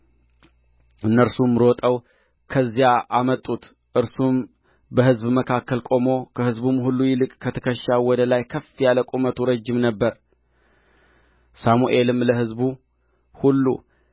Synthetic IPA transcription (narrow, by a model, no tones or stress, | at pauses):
ʔɨnːəɾsumɾot̪ʼəw | kʰəzːjaʔamət̪ʼːut̪ | ʔɨɾsum | bəhɨzbməkʰakːəlkʼo̞mo̞kʰəhɨzbumhulːujɪlɨkʼkʰət̪ʰə̥kʰəʃːawɔd̪əlajkʰəfjaləkʼomət̪ʰuɾəd͡ʒːɪmnəbːəɾ | samuʔe̞lɨmləɦɨzbu | hulːṵ